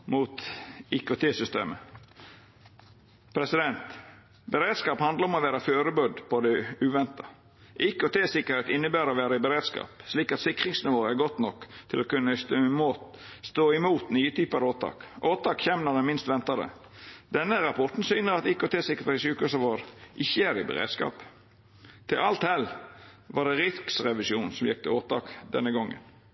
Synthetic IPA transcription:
muːt̪ɪkʉt̪ʰeːsʏst̪ḛːmə | pʰɾɛsɪd̪ɛnt̪ | bəɾeːd̪skɑːphɑnd̪ləɾɔmɔʋæːɾɑføːɾəbʉd̪pɔd̪ɛʉːʋɛnt̪ɑ | ʔɪkoːt̪ʰeːsɪkːəɾheːt̪ɪnːəbæːɾɔʋæːɾəɪbəɾeːd̪skɑ̰ːpsliːkɑt̪sɪkʁɪŋsnɪʋoːəæɾɡɔt̪nɔkːt̪ʰɪlokʉnːəst̪ːmst̪oːɪmuːt̪nyːət̪ʰyːpɑɾoːt̪ʰɑ̰ːkʔoːt̪ʰɑːkçɛːmnɔɾd̪ɛmɪnst̪ʋɛnt̪ɑd̪ə̰ | d̪̥ɛnːəɾɑpʰɔʈ̪n̩syːnəɾɑt̪ikot̪ʰeːsɪkːəɾt̪ːsyːkʉsɑʋoːɾʔɪçːəæɾɪbə̰ɾḛːd̪skɑ̰ːp | t̪ʰɪlʔɑlt̪hɛl | ʋɑɖɛɾɪt̪ksʁɛʋɪsjuːnsɔmjɛk̚t̪ʰɪoːt̪ɑ̰ːkd̪ɛ̰nːəɡɔŋːə̰n

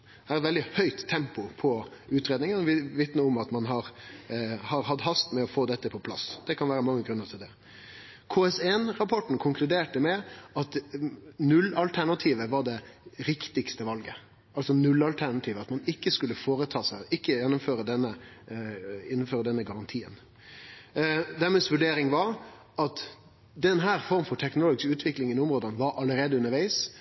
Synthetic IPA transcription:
hæːɾɛt̪ʋɛld̪ɪhœʏt̪ʰːɛmpʊpʰɔʉːt̪ɾeːd̪nɪŋənɔʋʋɪt̪nəɔmɑt̪mɑnɦɑɾ | hɑɾɦɑd̪ɦɑst̪mɛɔfoːd̪ɛt̪ːəpʰɔpʰlɑ̰sd̪̥ɛkʰɑnʋæːɾəmɑŋːəɡɾʉnːəɾtʰɪld̪ɛ | kʰoːɛsɛnɾɑpʰɔʈːn̩kʰʊŋkʰlʉd̪eːʈəmɛɑt̪ | nʉlːɑlt̪ʰæɳɑt̪ʰiːʋəʋɑɖɛɾɪkt̪ɪkst̪əʋɑlɡə | ɑlsɔnʉlːɑlt̪ʰæɳɑt̪ʰiːʋəɑt̪mɑnɪkːəskʉlːəfoːɾət̪ʰɑːsæʔɪkːəjɛnːʊmføːɾəd̪ɛnːə | ɛnːɔmføːɾəd̪ɛnːəɡɑɾɑnt̪ʰiːə̰n | d̪æɾmɛːsʋʉɖeːɾɪŋʋɑɾ | ɑt̪ | d̪ɛnɦæːɾfɔɾmfɔʈʰɛknʊloːɡɪskʉːt̪ʰʋɪklɪŋɪnʊmɾoːd̪ənʋɑɾʔɑlːəɾeːd̪əʉnəɾʋæɪs

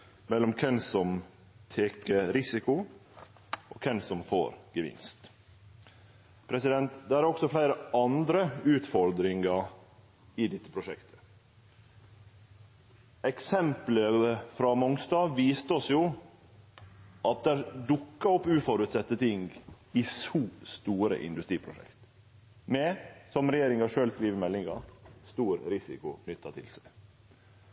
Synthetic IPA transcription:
mɛlːɔmkʰɛnsɔm | t̪ʰeːkəɾɪsɪkʊ | ʔoːkʰɛnsɔmfo̰ːɾɡ̥əʋɪ̰nst̪ | pʰɾɛsɪd̪ɛnt̪d̪ææɾɔksɔflæɪɾəɑnd̪ɾəʉːt̪fɔɾd̪ɾɪŋɑ | ɪd̪ɛt̪ːəpʰɾʊʂɛkt̪ʰə̥ | ɛksɛmpləfɾɑmɔŋst̪ɑːʋiːst̪əɔsjʊ | ʔɑt̪̚d̪æɾd̪ʊkːɑɔpːʉːfɔɾʉt̪sɛt̪ːət̪ʰɪŋɡ | ɪsuːst̪uːɾə̰ʔɪ̰nd̪ʉst̪ɾiːpʰɾʊʂɛ̰kt̪ | mɛsɔmɾɛjeːɾɪŋɑʂøːlskɾiːʋəɾmɛlːɪŋɑ̰st̪uːɾɾɪsɪ̰kʊnʏt̪ːɑt̪ʰɪ̰lsɛɪ

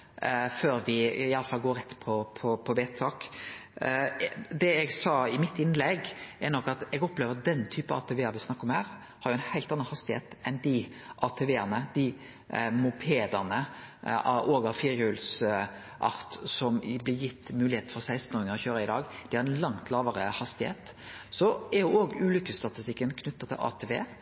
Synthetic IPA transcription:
føːɾʋɪɪɑlːəfɑlɡoːɾɛt̪ːpʰɔpʰɔpʰɔʋeːt̪ʰɑːk | d̪ɛɛɡsɑːɪmɪt̪ːɪnlɛɡɛɾnɔkːɑt̪ɛɡɔpleːʋəd̪ɛnːt̪ʰyːpɑɑ̰t̪ʰɛʋeːəɾʋɪsnɑkːɔmhæːɾ | hɑɾjʊɛnhæɪlt̪ɑnːəhɑst̪ɪhḛːt̪ɛnd̪ɪ | ʔɑt̪ʰɛʋeːəʁnəd̪ɪ | mʊpʰeːd̪ɑnəɑoːɡɑfiɾjʉls | ʔɑ̰ɾt̪sɔmblɪɾjɪt̪ːmʉːlɪheːt̪̩fɔɾsæɪst̪n̩ɔːɾɪŋəɔçøːɾəɪd̪ɑːɡd̪̥ɪhɑɾɛnlɑŋt̪ʰlɑːʋəɾəhɑst̪ɪhḛːt̪sɔɛɾjʊoːɡʉːlʏkːəst̪ɑt̪ɪst̪ɪkːənkʰnʉt̪ːɑt̪ʰːɪ̰lʔɑ̰ːt̪ʰeʋḛː

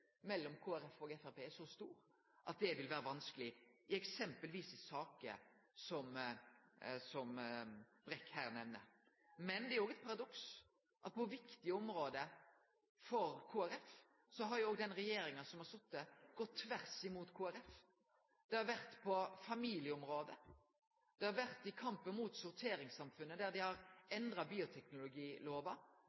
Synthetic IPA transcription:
mɛlːɔmkʰuːæɾɛfoːɡɛfæɾpʰeːæʂɔst̪uːɾ | ʔɑ̰t̪̚d̪ɛʋɪlʋæːɾəʋɑnsklɪɪɛksɛmpəlʋiːsɪsɑːkə̰sɔm | sɔm | b̥ɾɛkːhæːɾnɛʋnə̰ | mɛnd̪ɛæɾoːɡɛt̪̚pʰɑɾɑd̪ɔks | ʔɑt̪̚pʰɔʋɪkt̪ɪɔmɾoːd̪ə | fɔɾkʰuːæɾɛf | sɔɦɑɾjʊoːɡd̪ɛnʁɛjeːɾɪŋənsɔmhɑsɔt̪̚ːd̪ɛɡ̥ɔt̪ʰːʋæʁsɪmuːt̪kʰuːæɾɛf | d̪̥ɛhɑɾʋæɾt̪pʰɔfɑmiːljəʊmɾoːd̪ə | d̪̥ɛhɑɾʋæʁt̪ɪkʰɑmpənmuːt̪sʊɾt̪ʰeːɾɪŋsɑmfʉnːəd̪æɾd̪ɪhɑɾɛnd̪ɾɑbiːʊt̪ʰɛknʊlʊɡiːloːʋɑ

